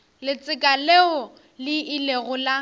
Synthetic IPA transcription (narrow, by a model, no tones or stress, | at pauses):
lɪt͡sʼɪkʼaleʊ | lɪɪleɣʊla